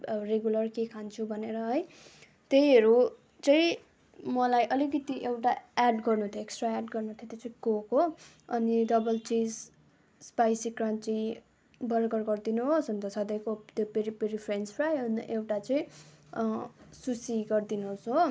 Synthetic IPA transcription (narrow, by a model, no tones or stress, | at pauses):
reɡjulʌrkekʰant͡sʰubʱʌneɾʌɦʌj | t̪ejɦʌɾu | t͡sʌ̃ĩ | mʌlajʔʌliɡʌt̪iʔewʈaeɖɡʌrnut̪ʰjoeksʈraaɖɡʌrnut̪ʰjot̪jot͡sʌĩkokɦo | ʌnidʌbʌlt͡sid͡z | spajsikrãnt͡si | bʌɾɡʌrɡʌrd̪inuɦosʌnt̪ʌsʌd̪ʌjkot̪jopeɾipeɾipʰɾenspʰrajʌn̰ʔewʈat͡sʌ̃ĩ | susiɡʌrd̪inuɦosɦo